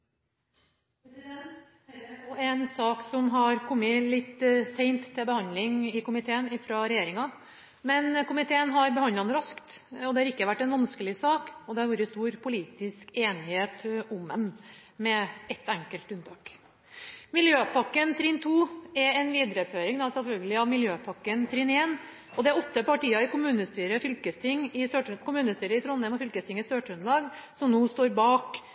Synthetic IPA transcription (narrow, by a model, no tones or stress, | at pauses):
ɔɛnsɑːksɔmɦɑɾkʰɔmːəlɪt̪ːsɛɪnt̪ʰːɛlbəhɑnd̪lɪŋɪkʊmɪt̪ʰeːənɪfɾɑɾɛjeːɾɪŋɑ | mɛnkʊmɪt̪ʰeːənɦɑɾbəhɑnɑnəɾɑskt̪ɔd̪ɛhɑɾɪkːəʋæʈːɛnʋɑnskəlɪsɑːkɔd̪ɛhɑɾʋuːɾəst̪uːɾpʰʊliːt̪ɪskeːnɪheːt̪ʊmːənmɛɛt̪ːæŋkəlt̪ʉnt̪ʰɑːk | mɪljøːpɑkːənt̪ʰɾiːnt̪ʰuːɛɛnʋiːd̪ɾəføːɾɪŋd̪ɑsɛlfœlɡəlɪɑʋmɪljøːpʰɑkːənt̪ʰɾineːn | ʔɔd̪ɛæɾɔt̪ːəpɑʈiːɑɪkʊmʉːnəst̪yːɾəfʏlkəst̪ʰɪŋːɪsøːʈkʊmʉːnəst̪yːɾəɪt̪ʰɾɔnhɛmɔfʏlkəst̪ɪŋːɪsøːʈɾʉnlɑːɡsɔmnoːst̪oːɾbɑːk